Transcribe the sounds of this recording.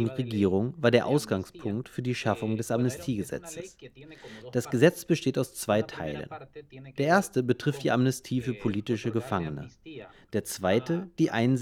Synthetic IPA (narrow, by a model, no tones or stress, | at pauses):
ʁeɡiːʁ̞ʊŋvaːɐɾeːɐʔaʊsɡ̥aŋspʰʊŋktfyːɐdiːʃafʊŋdɛsamnɛstʰiːɡəzɛ̰t͡səs | d̥asɡ̥əzɛt͡sb̥əʃteːtaʊst͡sv̥aɪtʰa̰ɪlə̰nd̥eːɐʔeːɐstəbətʁ̥ɪft̚d̥iːʔamnɛstʰiːfyːɐpʰoliːtɪʃəɡəfaŋənə̰ | d̥eːɐt͡sv̥aɪtəd̥iːʔaɪnz